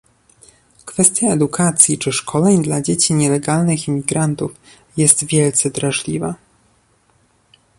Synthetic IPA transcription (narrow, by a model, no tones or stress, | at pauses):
kfɛst̪ʲjaɛd̪ukʰat̪sʲjit͡ʂɘʂkʰɔlɛɲd̪lad͡ʑet͡ɕiɲɛlɛɡalnɘximʲiɡɾant̪uf | jɛst̪vʲjɛlt̪sɛd̪ɾaʐlʲiva